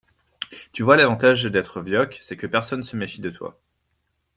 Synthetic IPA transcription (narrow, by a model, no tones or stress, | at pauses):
t̪yvwalavɑ̃t̪aʒd̪ɛt̪χəvjɔkʲsɛkəpɛʁsɔnːsəmefid̪ət̪wa̰